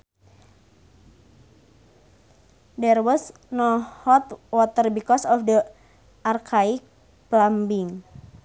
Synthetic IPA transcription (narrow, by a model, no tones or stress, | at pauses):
dɛrwɔs | nɔhɔt̪wɔt̪ərbikɔsɔfdə | ʔarkʰaik̚ | plambiŋ